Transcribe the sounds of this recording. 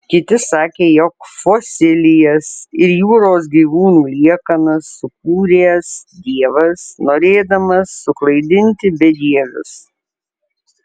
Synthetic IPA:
kʲɪt̪ʲɪsɑːkʲeːjɔkfosʲɪlʲɪjɛsɪɾjuːɾoːs̬ɡʲiːʋuːnuːlʲiɛkɐnɐsːʊk̚uːɾʲeːsd̪ʲiɛʋɐsnoːɾʲeːd̪ɐmɐsːʊklˠɐɪd̪ʲɪnʲt̪ʲɪbʲɛd̪ʲiɛʋʲʊ̰s

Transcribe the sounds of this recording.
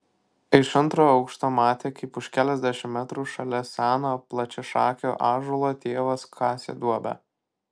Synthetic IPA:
ɪʃɐnˑt̪ɾoːɐʊkʃt̪oːmɑːt̪ʲeːkɐɪpʊʃkʲæːlʲɛzʲd̪ʲæʃʲɪmmʲæt̪ɾuːʃɐlʲɛsʲæːnoplˠɐt͡ʃʲɛʃɑːkʲo̰ːʔɑːʒulˠoːt̪ʲeːʋɐskʰɑːsʲḛːd̪uɔbʲɛ̰

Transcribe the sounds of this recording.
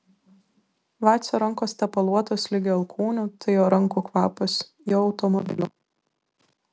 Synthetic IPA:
ʋɑːt̪sʲoɾɐŋkoːsʲt̪ʲɛpɐlˠuɔt̪oːslʲɪɡʲeɐlˠkʰuːnʲuːt̪ʰɐɪjoːɾɐŋkuːkʋɑːpɔs | joːɒʊt̪ɔmɔbʲɪ̰lʲṵː

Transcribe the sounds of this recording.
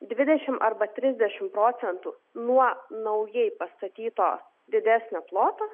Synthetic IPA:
d̪ʲʋʲɪd̪ʲɛʃʲɪmʔɐɾbɐt̪ʲɾʲɪzʲd̪ʲɛʃʲɪmpɾoːt̪sʲɛnt̪u | nuɔnɐʊjɛɪpɐst̪ɐt̪ʲiːt̪oː | d̪ʲɪd̪ʲæːsʲnʲɛplˠoːt̪ɐ

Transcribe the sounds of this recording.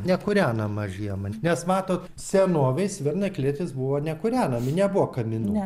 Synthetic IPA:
nʲɛkʊɾʲæːnɐmɐʒʲijɛmɐnʲɛsmɑːt̪oːt̪ | sʲɛnoːʋʲɛɪsʋʲɪrnɐklʲiɛt̪ʲɪsbʊʋoːnʲɛkʊɾʲæːnɐmʲɪnʲɛbuʋoːkɐmʲɪnu

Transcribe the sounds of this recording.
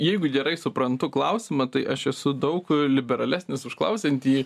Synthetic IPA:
jɛɪɡʊɡʲɛɾɐɪsʊpɾɐnt̪ʊklˠɐʊsʲɪmɐt̪ɐɪʔɐʃɛsʊd̪ɐʊklʲɪbʲɛɾɐlʲæːsʲnʲɪsʊʃklˠɐ̰ʊsʲɛnʲt̪ʲiː

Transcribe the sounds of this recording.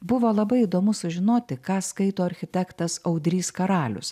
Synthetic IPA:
bʊʋoːlˠɐbɐɪid̪oːmʊsʊʒʲɪnoːt̪ʲɪkɑːskɐɪt̪oːɐɾʲxʲɪt̪ʲækt̪ɐsɐʊd̪ʲɾʲiːskɐɾɑːlʲʊ̰s

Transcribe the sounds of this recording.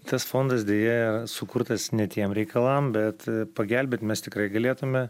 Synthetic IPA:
t̪ɐsfoːnd̪ɐsdʲeːjɛjsʊkʊrt̪ɐsnʲɛt̪ʲiɛmɾʲɛɪkɐlˠɐmbʲɛt̪pɐɡʲælʲbʲeːt̪ʲmʲɛst̪ʲɪkɾɐɪɡɐlʲeːt̪ʊmʲɛ

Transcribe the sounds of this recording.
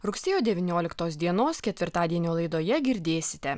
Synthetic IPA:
ɾʊksʲeːjoːd̪ʲɛʋʲɪnʲoːlʲɪkt̪oːsd̪ʲiɛnoːskʲɛt̪ʲʋʲɪɾt̪ɑːd̪ʲiɛnʲoːlˠɐɪd̪oːjɛɡʲɪɾʲd̪ʲeːsʲɪ̥t̪ʲɛ

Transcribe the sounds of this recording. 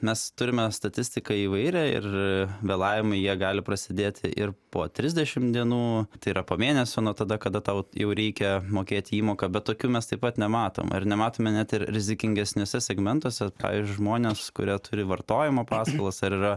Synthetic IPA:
mʲɛst̪ʊɾʲɪmʲɛst̪ɐt̪ʲɪsʲt̪ʲɪkɐiːʋɐɪɾʲɛɪ̰rʋʲeːlˠɑːʋʲɪmɐɪjiɛɡɑːlʲɪpɾɐsʲɪd̪ʲeːt̪ʲʰɪ̰ʔɪrpoːt̪ʲɾʲɪzʲd̪ʲɛʃʲɪmd̪ʲiɛnuːt̪ɐɪiːɾɐpoːmʲeːnʲɛsʲoːnut̪ɐd̪ɐkɐd̪ɐt̪ɐʊjɛʊɾʲɛɪkʲɛmoːkʲeːt̪ʲɪiːmoːkɐbʲɛt̚t̪ːoːkʲuːmʲɛst̪ɐɪpɐt̪nʲɛmɑːt̪o̰ːmɪ̰rnʲɛmɑːt̪oːmʲɛnʲæt̪ɪɾɾʲɪzʲɪkʲɪŋʲɡʲɛsʲnʲoːsʲɛsʲɛɡmʲɛnt̪oːsʲɛpɑ̰ːʋʲḭzʲd͡ʒʲʊɪʒmoːnʲeːskʊ̰ɾʲiɛt̪ʊɾʲɪʋɐrt̪oːjɪmopɑːskɐlˠɐsɐɾirɐ

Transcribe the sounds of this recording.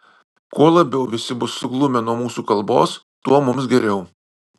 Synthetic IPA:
kuɔlˠɐbʲɛʊʋʲɪsʲɪbʊsːʊɡlˠʊmʲɛnuɔmuːsuːkɐlˠbo̰ːs | t̪uɔmʊms̬ɡʲɛɾʲɛʊ

